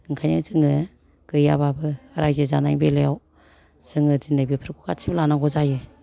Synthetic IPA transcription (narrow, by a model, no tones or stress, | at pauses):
ɯŋkʰajɯzɯŋɯ | ɡ̥ɯjababɯɾajzɯzanajŋbelejaw | sɯŋɯzinabipʰɾkʰukat͡ʃʰiblanaŋɡɔzajɯ